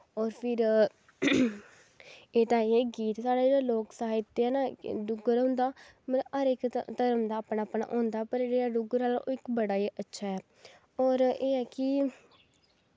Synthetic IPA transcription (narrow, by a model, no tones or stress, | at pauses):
ɔːɾpʰɪɾ | eːt̪ãːeːɡiːt̪saːɽaːd͡ʒeːɽaːloːksaːɪt̪ːeɛːnaːɖʊɡəɾõːnd̪aːmət̪əəɾɪkt̪əɾəmd̪aːpnaːpna̰ːʔõːnd̪aːɛpəɾd͡ʒeːɽaːɖʊɡəɾaːlaʔoːɪkbəɽaːeːʔətːʃʰaːɛː | ɔːɾeːɛːkɪ